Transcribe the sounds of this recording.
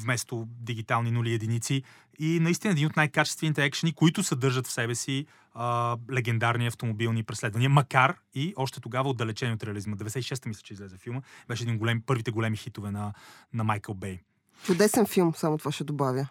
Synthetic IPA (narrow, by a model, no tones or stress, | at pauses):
vmɛst̪od̪iɡit̪alˠninuliɛd̪init̪si | inɐist̪inəɛd̪inot̪najkat͡ʃɛst̪vɛnit̪ɛɛkʃənikoit̪ʊsɐd̪ɤɾʒət̪fsɛbɛsi | əlɛɡɛnd̪aɾniɐft̪omobilˠnipɾɛslɛd̪vɐniəmɐkaɾ | iɔʃt̪ɛt̪oɡavəod̪ːɐlɛt͡ʃɛniɛot̪ɾɛɐlizməd̪ɛvɛd̪ɛsɛt̪iʃɛst̪əmislʲɛ̥t͡ʃɛizlɛzɛfilˠməbɛʃɛd̪inɡolɛmpɤɾvit̪ɛɡolɛmixit̪ovɛnɐnɐmajkəlˠbɛj | t͡ʃʊd̪ɛsɛnfilˠmsamot̪ovaʃɛd̪obavʲjə